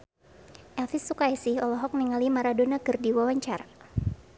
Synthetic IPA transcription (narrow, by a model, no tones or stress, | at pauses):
ʔɛlfɪsːukaɛsiɔlɔɦɔk̚niŋalimaɾadonakɨrdiwawaɲt͡ʃaɾa